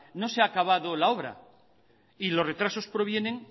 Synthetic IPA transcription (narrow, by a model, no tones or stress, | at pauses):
no̞seakaβ̞aðolao̞βɾa̰ | ilo̞sre̞t̪ɾaso̞spɾo̞β̞je̞ne̞ŋ